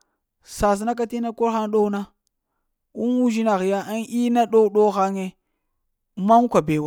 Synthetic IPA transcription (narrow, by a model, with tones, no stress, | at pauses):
sa˨s̬na˦k̬a˦ti˦na˦ko˦ɾxa˦nɗo˦u˦na˦ | u˦nwu˦ʒi˦na˨ɣi˨ja˦a˦ni˦na˦ɗo˦u˦ɗo˦xa˦ŋe˦ | ma˦ŋu˦ka˨be˨wa˨